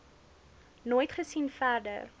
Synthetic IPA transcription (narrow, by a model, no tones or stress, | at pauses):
noːjtχəsinfærdə̰r